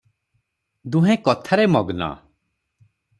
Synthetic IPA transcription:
d̪uɦẽkɔt̪ʰaɾemɔɡna̰

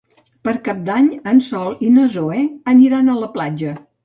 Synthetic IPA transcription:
pəɾkap̚d̪aɲənsɔlˠinozoɛəniɾanələplad͡ʒə

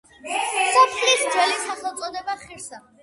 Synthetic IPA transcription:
sɔpʰlisd͡ʒwɛlisaχɛlˠt̪sʼɔd̪ɛbaχiɾsa

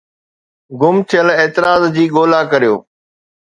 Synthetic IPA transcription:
ɡʊmt̪ʰɪjəleːt̪ɪɾaːzd͡ʑiːɠoːlaːkəɾijo̰ː

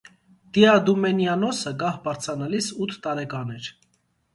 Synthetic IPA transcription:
d̪̥iɑd̪umɛnjɑnɔsəɡɑhbɑɾt͡sʰɑnɑlisut̪ʰːɑɾɛkɑnɛɾ

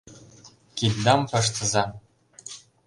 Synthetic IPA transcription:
kitʲd̪ɑmpɤ̆ʂ̬t̪ɤ̆zɑ

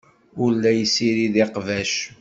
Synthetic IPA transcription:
ʊlːæjsiɾiðiqvæʃ

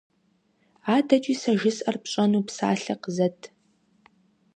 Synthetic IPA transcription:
aːdɐt͡ʃʼiːsɐʒɪsʔɐrpɕʼɐnuːpsa̰ːɬɐqəzɐtʰ

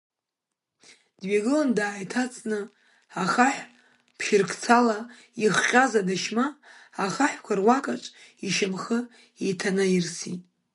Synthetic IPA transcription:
d̥ɥaɡɨlandaːjtʰat͡sʼnɨ | aχaħʷ | pʰʃɪrkʰʼt͡sʰala | iχqʲʼazadaʃmaːχaħʷkʷʰarwakʼaʈ͡ʂʼ | iʃamχə | ejtʰanajirsitʼ

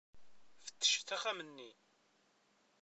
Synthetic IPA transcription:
fə̥t̪ːə̥ʃθæχæmənːi

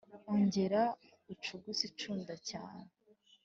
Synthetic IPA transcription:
oɲɟe̞ɾa | ut͡ʃuɡusit͡ʃuːndaca̰ːne

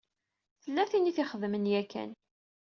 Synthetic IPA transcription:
θəlːæθiniθiχəðmənjækːæ̰n

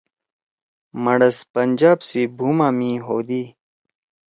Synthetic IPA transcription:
mɐɽɐspɐnʲd͡ʑaːbsibʱuːmãːmĩɦoːd̪iː

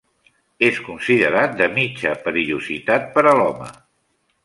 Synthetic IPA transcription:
eskunsiðəɾat̪̚d̪əmit͡ʃəpɾiuzit̪at̪̚pəɾəlɔmə̰

